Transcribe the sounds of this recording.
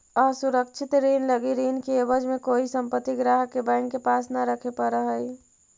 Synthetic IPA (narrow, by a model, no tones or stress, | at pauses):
ɔsuɾəkt͡ʃʰɪt̪ɾiːnləɡiɾiːnkeebəd͡ʒmekoisəmpət̪ːiɡɾaɦəkebãɪŋkkːepasnaɾəkʰepəɾəɦəj